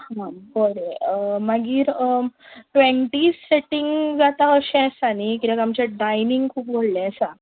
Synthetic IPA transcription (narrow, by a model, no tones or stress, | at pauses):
hãbəɾeəmaɡiːɾəʈʋeɳʈisːeʈiŋɡd͡zat̪ãəɕɛ̃sanikit̪akamt͡ɕɛɖajniŋɡkʰuːp̚boɽlẽɛsa